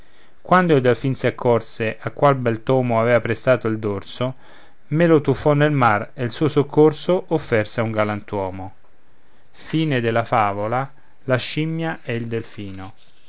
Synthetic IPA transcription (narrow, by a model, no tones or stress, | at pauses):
kwand̪oild̪alfinsiakʰːɔrseʔakːwalbɛlt̪ɔːmoavɛːvapɾest̪aːt̪oild̪orso | melot̪ufːɔnːelmareilsuːosokʰːorsoʔofːɛrseauŋɡalant̪wɔːmo | fiːned̪ɪlafaːvola | laʃimːjaʔɛild̪elfiːno